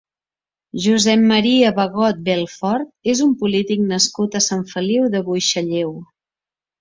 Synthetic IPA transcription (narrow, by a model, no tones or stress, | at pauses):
ʒuzɛmːəɾiəβəɣɔt̪̚bɛlˠfɔɾt̪̚ezumpulit̪ik̚nəskut̪əsaɱfəliwðəβujʃəʎew